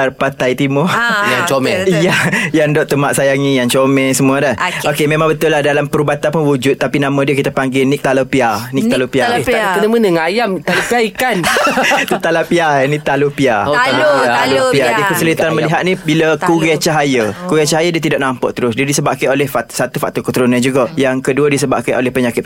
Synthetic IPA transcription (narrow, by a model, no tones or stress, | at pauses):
arpat̪ajt̪imʊrjaŋt͡ʃomɛijajandɔʔt̪əmaʔsajaŋĩjaŋt͡ʃomɛsəmũadəokemẽmãŋbət̪ʊlːahdalampəɾubat̪anpʊnwud͡ʒʊt̪̚ːapinamãdiəkit̪apaŋɡɪlnik̚t̪alopianik̪̚alopiakənəmənəŋajamt̪alopiaikant̪ut̪alapianik̚t̪alupiaalaalopiadikəsəlit̪anməliɦat̪̚nĩbiləkuɡet͡ʃaɦajəkuɡet͡ʃaɦajədiət̪idaʔnampɔ̰ʔt̪əɾʊsdiədisəbaʔkaolɛhfasat̪ufak̚t̪ɔkut̪əɾunad͡ʒuɡajaŋkəduədisəbaʔkaʔolɛhpəɲakɪt̪̚